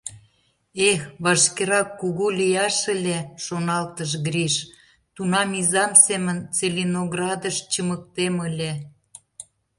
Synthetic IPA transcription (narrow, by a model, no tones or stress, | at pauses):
exβɑʃkeɾɑkːuɣulʲijɑʃəlʲeʃonɑlt̪əʃ̬ɡɾiʃ | t̪unɑmizɑmsemənt͡selʲinoɣrɑd̪əʃt͡ɕəmək̚t̪eməlʲe